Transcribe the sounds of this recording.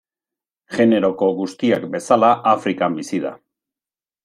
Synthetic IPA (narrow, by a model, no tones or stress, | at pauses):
ʝe̞ne̞ɾo̞ko̞ɣust̪iakbe̞salaʔafɾikambisiða̰